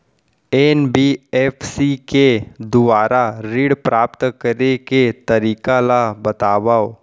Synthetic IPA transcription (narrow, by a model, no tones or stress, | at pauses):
eːnbiːeːfsiked̪ʊbaːɾaɾiːɽpɾaːpt̪kəɾeket̪ɐɾiːkalabɐt̪aːbao